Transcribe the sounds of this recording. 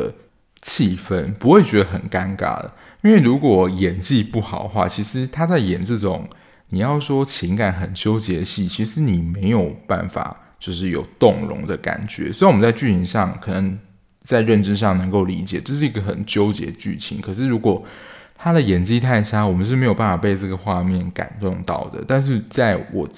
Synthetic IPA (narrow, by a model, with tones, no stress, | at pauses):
ə˨ | t͡ɕʰi˥˩fə˥npu˧˥xwe˥˩ɪt͡ɕɥɛ˧˥d̪ə˧xə˨˩nka˦˥nka̰˨˥d̪ə̰˩ | i˥nwe˥˩ɪɻu˧˥kwɔ˨˩jɛ˨˩nt͡ɕi˥˧pu˥˩xɑ̰˨˩ʊd̪ə˦xwa̰˥˩t͡ɕʰi˧˥ʂɻ̩˧˦t̪ʰa˥t͡sa˥˩ɪjɛ˨˩nt͡s̩˥˩ʈ͡ʂo̰˨˦ŋ | ni˨˩jɑ˥˩ʊʂwɔ˥t͡ɕʰi˧˥ŋka˨˩˦nxə˨˩nt͡ɕjo˥ʊt͡ɕjɛ˧˥d̪ə˨ɕi˥˩t͡ɕʰi˧˥ʂɻ̩˧˦ni˨˩me˧˥ɪjo˨˩ʊpa̰˥˩nfa̰˨˩ | t͡ɕjo˥˧ʊʂ̬ɻ̩˥˩jo̰˨˩ʊt̪ʊ˥˨˩ŋɻʊ̰˧˥ŋd̪ə˧ka̰˨˩nt͡ɕɥɛ̰˧˥swɔ˧˥i˥wmə˦nt͡sa˥˧ɪt͡ɕy˥˩t͡ɕʰi˧˥ŋʂɑ˥˨ŋkʰɤ˨˩nə˧˦ŋ | t͡sa˥˧ɪɻə˥˩nʈ͡ʂə˥nʂɑ˥˩ŋnɤ˧˥ŋko˥˩ʊli˧˥t͡ɕjɛ˨˩ʈ͡ʂɤ˥˧ʂ̬ɻ̩˥˩i˧˥ɡə˧xə˨˩nt͡ɕjo˥ʊt͡ɕjɛ̰˧˥d̪ə˧t͡ɕy̰˥˩t͡ɕʰḭ˧˥ŋkʰɤ˨˩ʂ̬ɻ̩˥˩ɻu˧˥kwɔ˨˩t̪ʰa˥d̪ə˨jɛ˨˩nt͡ɕi˥˧t̪ʰa˥˧ɪʈ͡ʂʰa˥wɔ˨˩mə˦nʂ̬ɻ̩˥˩me˧˥jo˨˩ʊpa˥˩fa˨˩pe˥˧ɪʈ͡ʂɤ˥˩ɡə˩xwa˥˧mjɛ˥˩nka̰˨˩nt̪ʊ˥˧ŋt̪ɑ̰˥˨˩ʊd̪ə̰˨˩t̪a˥˧nʂ̬ɻ̩˥˩˧t͡sa˥˩ɪwɔ˨˩